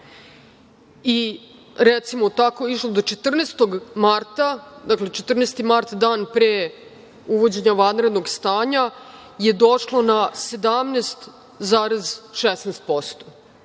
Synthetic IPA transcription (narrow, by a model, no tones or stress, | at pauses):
i | ɾet̪simo̞t̪ako̞iʃlo̞d̪o̞t͡ʃet̪r̩neːst̪o̞ɡmaɾt̪ad̪akle̞t͡ʃet̪r̩neːst̪imaɾt̪d̪aːnpɾe | uʋo̞d͡ʑe̞ɲaʋanɾed̪no̞ɡst̪aːɲa | je̞d̪o̞ʃlˠo̞nase̞d̪amnest̪ | zaːɾezʃesnest̪̚po̞st̪o̥